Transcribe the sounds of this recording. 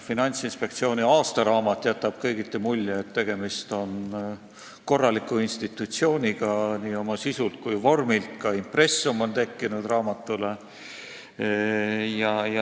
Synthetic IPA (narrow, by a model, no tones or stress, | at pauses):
finɑnʲt̪sinspe̞k̚t̪sio̞ːnʲiɑːst̪ɑɾɑːmɑt̪ːˑjæt̪ːˑɑb̥̚kɤjɡit̪ːˑemulʲːeet̪ːe̞ɡ̥e̞mist̪o̞n | ko̞rːɑlikːˑuinst̪it̪ːˑut̪sio̞ːnʲiɡ̥ɑniːo̞mɑsisult̪̚kujvo̞rmilt̪kɑimpre̞sːumo̞nt̪e̞kːinud̪̥rɑːmɑt̪ːˑule | jɑjɑ